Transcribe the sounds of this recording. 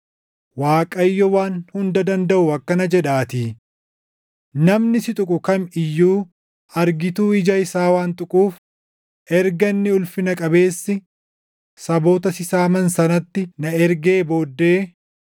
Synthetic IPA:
waːkʼɐjːɔwaːnhʊnd̪ɐd̪ɐnd̪ɐʔʊɐkːɐnɐd͡ʒɛᶑaːt̪iː | nɐmnɪsɪt̪ʼʊkʼʊkɐmɪjːuː | ɐɾɡɪt̪uːɪd͡ʒɐɪsaːwaːnt̪ʼʊkʼuːf | ʔɛɾɡɐnːɪʊlfɪnɐkʼɐbe̞ːsːɪ | sɐbo̞ːt̪ɐsɪsaːmɐnsɐnɐt̪ːɪnɐɛɾɡe̞ːbo̞ːd̪ːeː

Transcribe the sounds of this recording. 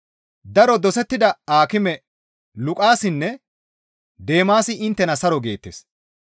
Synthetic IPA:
d̪ɐɾɔd̪ɔsɛt̪ːɪd̪ɐaːkɪmɛ | lʊkʼaːsɪnːɛ | d̪e̞ːmaːsɪʔɪnt̪ːɛnɐsɐɾɔɡe̞ːt̪ːeːs

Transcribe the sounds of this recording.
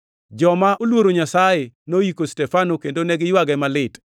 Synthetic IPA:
d͡ʒɔmaʔolwoɾoɲasajenojikostɛfanokendonɛɡɪjwaɡɛmalɪt

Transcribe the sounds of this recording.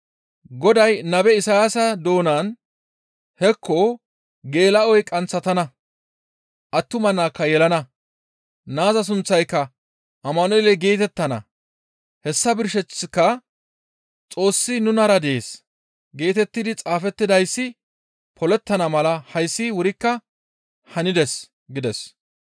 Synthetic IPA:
ɡɔd̪ɐjnɐbɛɪsɐjasɐd̪o̞ːnaːn | hɛkʰːo | ɡe̞ːlɐɔjkʼɐnt͡sːɐt̪ɐnɐ | ʔɐt̪ːʊmɐnːaːkːɐjɛlɐnɐ | naːzɐs̬ʊnt͡sːɐjkːɐ | ʔɐmːɐnɔlɛɡeːt̪ɛt̪ːɐnɐ̰ | hɛsːɐbɪɾʃ̬ɛt͡sːɪkːɐ | t͡sʼo̞ːsːɪnʊnɐɾɐd̪ɛʔeːs | ɡe̞ːt̪ɛt̪ːɪd̪ɪt͡sʼaːfɛt̪ːɪd̪ɐjsːɪ | pʰɔlɛt̪ːɐnɐmɐlɐhɐjsːɪwʊɾɪkːɐ | hɐnɪd̪ɛs | ɡɪd̪ɛs

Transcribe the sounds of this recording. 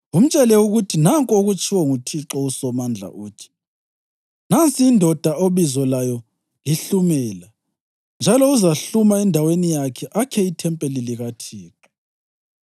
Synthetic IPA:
um̩t͡ʃʼɛlɛuɣutʰinaŋkʼoɣut͡ʃʰʼiwɔŋutʰiǁɔusɔmand͡ɮʱa̰ʔuːtʰi̥ | nant͡sʼiːndʱɔd̥ʱaoβizɔlajɔ | liɬumɛla | nd͡ʒʱalɔuzaɬumaɛndʱawenijakʰɛʔakʰɛitʰɛmpʼeliliɣatʰiːǁɔ̥

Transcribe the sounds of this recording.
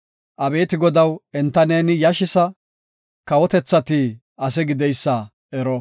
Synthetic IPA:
ʔɐbe̞ːt̪ɪɡɔd̪ɐwɛnt̪ːɐneːnɪjɐʃɪsɐ | kɐwɔt̪ɛt͡sːɐt̪iː | ɐsɛɡɪd̪ɛjsːɐ | ɛɾɔ

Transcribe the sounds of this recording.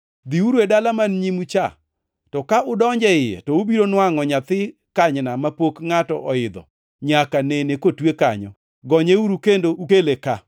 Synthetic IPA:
d̪iuɾedalamanɲimut͡ʃa̰ | tɔkaʔʊdɔɲd͡ʒɛɪjɛ̰tɔubiɾonwaŋɔɲat̪ɪ | kaɲnamapokŋatɔ̰ʔɔɪd̪ɔ̰ | ɲakanenekotweka̰ɲɔ̰ | ɡɔɲeuɾukendoukeleka

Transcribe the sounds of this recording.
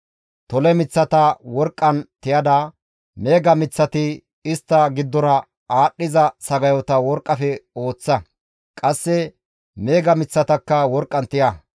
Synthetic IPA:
t̪ɔlɛmɪt͡sːɐt̪ɐwɔɾkʼːɐnt̪ɪjɐd̪ɐ | me̞ːɡɐmɪt͡sːɐt̪ɪ | ɪst̪ːɐɡɪd̪ːɔnɐ | aːɗːɪzɐsɐɡɐjɔt̪ɐwɔɾkʼːɐfɛo̞ːt͡sːɐ | kʼɐsːɛ | me̞ːɡɐmɪt͡sːɐt̪ɐkːɐwɔɾkʼːɐnt̪ɪjɐ

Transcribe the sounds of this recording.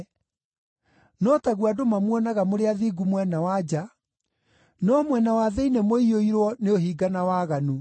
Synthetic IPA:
nɔtaɣwadomamwɔnaɣamoɾeaðiːɡumwɛnawad͡ʑa | nɔmwɛnawaðɛinɛmoioiɾwɔneohiːɡanawaɣanu

